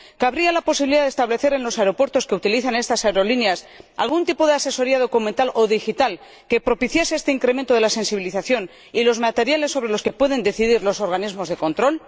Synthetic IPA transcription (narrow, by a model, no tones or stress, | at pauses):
kaβɾialapo̞siβiliðaðest̪aβle̞θe̞ɾe̞nlo̞saeɾo̞pwe̞ɾt̪oske̞ut̪iliθane̞st̪asaeɾo̞lineasa̰lɣunt̪ipo̞ð̞ease̞so̞ɾiaðo̞kumẽ̞nt̪alʔo̞ðixit̪al | ke̞pɾo̞piθjaseest̪e̞iŋkɾe̞mẽnt̪oelase̞nsiβiliθaθjo̞n | ilo̞zmat̪e̞ɾjale̞sːo̞βɾe̞lo̞ske̞pwe̞ðe̞nd̪e̞θiðiɾlo̞so̞ɾɣanizmo̞zðe̞ko̞nt̪ɾo̞l